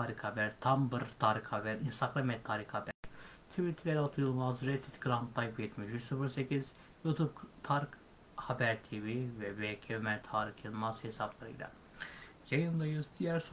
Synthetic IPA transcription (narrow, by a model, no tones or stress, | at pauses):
aːɾikhabæɾt̪ʰambɯɾt̪ʰaːɾikhabæɾinst̪ʰaɡɾamɛt̪ʰːaːɾikhabæɾ̥t̪ʰivit̪ʰɾeɾat̪ʰujɯlˠmazɾet̪ʰit̪ɡɾant̪lˠajpjɛt̪ʰmiʃyt͡ʃsufɯɾsecʰiz | jut̪ʰub̚p̪ʰaɾk | habæɾt̪ʰivivɛbecʰemɛnt̪ʰaːɾikimazhesablˠaɾɯ̰jlʲa̰ | jajɯnd̪ajɯzd̪ijæɾs